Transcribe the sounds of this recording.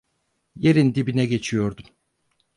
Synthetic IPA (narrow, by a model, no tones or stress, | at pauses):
jeɾind̪ibinɛɟe̞t͡ʃʰijo̞ɾd̪um